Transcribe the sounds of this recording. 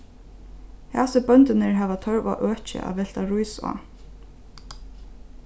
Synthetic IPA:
hɛsɪbœnt̪ɪnɪɹɦɛːvat̪ʰœɹva̰ʔœːht͡ʃɪ̰ʔa̰vɛl̥t̪aɾujsa̰

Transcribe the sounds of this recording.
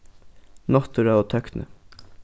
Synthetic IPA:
nɔt̪əɾɑːoːt̪ʰœknə̰

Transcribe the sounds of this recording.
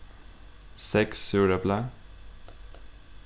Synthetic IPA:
sɛksːʉːɽəbla

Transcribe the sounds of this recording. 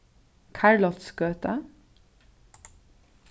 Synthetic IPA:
kʰæɹɭɑt̪sɡøːt̪ə

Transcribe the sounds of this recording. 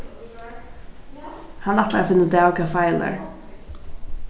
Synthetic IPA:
hanat̪laafɪnːəd̪awkafajla̰ɹ

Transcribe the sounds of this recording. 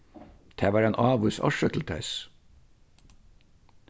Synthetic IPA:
t̪ʰeːʋɑːɾeːnʔɑːʋʉːsɑ̰ʃət̪ʰl̩t̪ʰæ̰s

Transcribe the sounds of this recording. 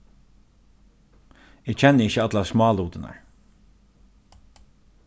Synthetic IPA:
ɪːɡt͡ʃʰɛnːəɪçːəat̪lasmɑːluːt̪ɪna̰ɹ

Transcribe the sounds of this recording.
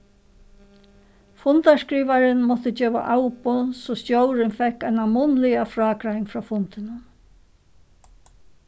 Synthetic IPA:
fʊnt̪askɾiːʋaɾɪnmɔt̪əd͡ʒeːʋa̰ʔawpʊsɔst̪jowɾɪnfɛhkajnamʊnlɪafɾaːkɾajŋfɾɔːfʊnt̪ɪnə

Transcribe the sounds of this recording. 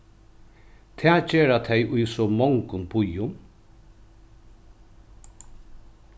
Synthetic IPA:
t̪ʰɛːd͡ʑeːɾat̪ʰɛjʔʊjsɔmɔŋkʊnbʊjʊm

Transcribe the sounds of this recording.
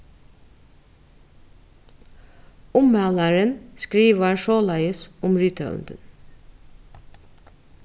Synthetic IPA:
ʊmɛləɹənskɾiːʋəʃoːlæɪəsʔʊmɹyːt̪ʰə̰ʉ̰nd̪̥ən

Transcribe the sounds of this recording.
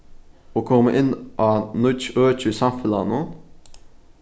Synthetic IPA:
oːkʰɔmːəʔɪnʔɑːnʊt͡ʃøːt͡ʃʉsɑmfəlɑ̰nu

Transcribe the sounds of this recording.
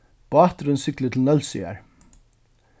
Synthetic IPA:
b̥ɑːt̪ɾʏnsʏklət̪ʰɪlnœlsḭa̰ɹ

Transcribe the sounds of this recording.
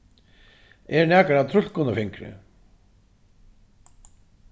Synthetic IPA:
ɛɾnɛːkaɾat̪ʰɾʏl̥kʊnafɪŋkɾɪ̰

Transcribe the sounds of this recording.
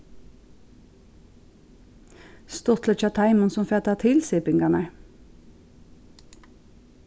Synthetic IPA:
st̪ɔt̪lət͡ʃɑt̪ʰɑɪmənsɔmfeːt̪ɑːt̪ʰɪlsɪpɪŋɡɑnə

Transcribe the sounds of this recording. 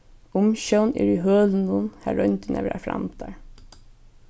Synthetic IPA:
ʊmɕɛwnɛ̰ɹiɦøːlnʊnhæɹœnt̪ɪnɛʋɛɾa̰fɾa̰mt̪aɹ

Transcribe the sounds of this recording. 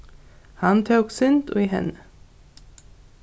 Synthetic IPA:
hɑnt̪ʰœːksʏnt̪o̰ːiːhɛ̰nə

